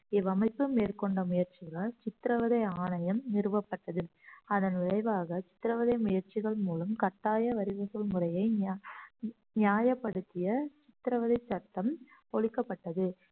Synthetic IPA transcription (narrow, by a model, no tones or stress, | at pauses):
ɪʋɐmɐɪpːɯmeːrkɔɳɖɐmʊjɐɾt͡ʃɪɣɐɭɐt͡ʃɪt̪ːɾɐʋɐðɐɪaːnɐjɐmnɪɾɯʋɐpːɐʈːɐðɯɐðɐnʋɪɭɐɪʋaːɣɐt͡ʃɪ̥t̪ːɪɾɐʋɐðɐɪmʊjɐɾt͡ʃɪɣɐɭmuːlɐmkɐʈːaːjɐʋɐɾɪɣɐsɐlmʊrɐjɐɪ | njaːjɐpːɐɽɯt̪ːɪjɐt͡ʃɪt̪ɪɾɐʋɐðɐɪt͡ʃːɐɾt̪ːɐmpɔɻɪkːɐpːɐʈːɐðɯ